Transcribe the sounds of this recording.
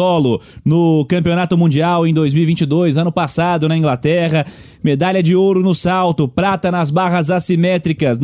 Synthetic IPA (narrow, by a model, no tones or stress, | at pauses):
ɔlʊnʊkɐ̃mpionat̪ʊmũd͡ʒiawẽj̃d̪ojzmiwivĩt͡ʃɪd̪ojzɐ̃nʊpasad̪ʊnɐĩɡlat̪ɛʁɐ | med̪aʎʲɐd͡ʒɪoɾʊnʊsawt̪ʊpɾat̪ɐnɐzbaɦɐzasimɛt̪ɾikɐsn